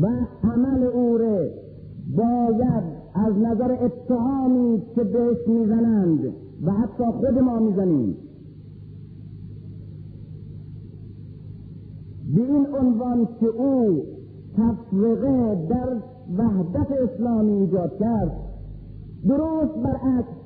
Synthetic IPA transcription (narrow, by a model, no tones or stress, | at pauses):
vææmæleuːɾe | bɒːjæd̪ | æznæzæɾeʔet̪ʰːehɑːmiːkʰebeheʃmiːzænænd̪ | væhæt̪ʰːɒːxod̪emɒːmiːzæniːm | beinonvɑnkʲʰeʔuː | t̪ʰæfɾiɣed̪æɾ | væhd̪æt̪eːslɑːmiːd͡ʒɒːd̪̚kæɾd̪ | d̪oɾoːst̪̚bæɾʔæks